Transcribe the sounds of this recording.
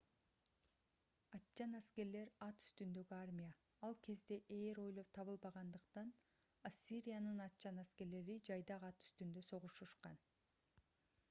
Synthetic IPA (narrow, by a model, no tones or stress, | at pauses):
ɑt̪t͡ʃɑnæske̞ɾle̞ɾɑt̪y̥st̪ynd̪ø̞ɡyarmʲija | ɑlˠkʰe̞zd̪e̞ʔeːɾo̞jlˠo̞p̚t̪ʰɑβɯlˠbɑʁɑnd̪ɯqt̪ɑn | asʲiɾʲijanɯnɑt̪̚t͡ʃɑnæske̞ɾle̞ɾid͡ʒɑjd̪ɑʁɑt̪y̥st̪ynd̪ø̞so̞ʁuʃuʃqɑn